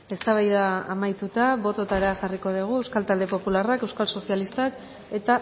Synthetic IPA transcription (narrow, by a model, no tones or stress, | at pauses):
e̞st̪aβ̞ajðaːmajt̪ut̪aβo̞t̪o̞t̪aɾeaʝariko̞ð̞iɣ̞ue̞wskalt̪ald̪e̞po̞pularake̞wskalso̞sialist̪ak | e̞t̪a